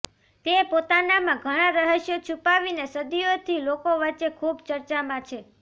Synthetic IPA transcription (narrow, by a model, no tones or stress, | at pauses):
t̪epot̪anamãɡʱəɽ̃aɾəɦəʃjot͡ʃʰupaʋinesəd̪ijot̪ʰilokoʋət͡ʃːekʰubt͡ʃəɾt͡ʃamãt͡ʃʰe